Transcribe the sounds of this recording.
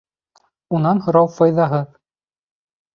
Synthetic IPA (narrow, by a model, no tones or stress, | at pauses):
unɑnhŏɾɑwfɑjðɑɦɤð